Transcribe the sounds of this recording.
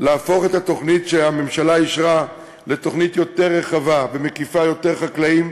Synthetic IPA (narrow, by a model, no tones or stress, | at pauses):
laːfo̞χet̪hat̪o̞χnitʃeame̞mʃalaiʃʁa | le̞t̪o̞χnit̪jo̞te̞ʁːeχavabe̞mekifajo̞te̞ʁχaklaim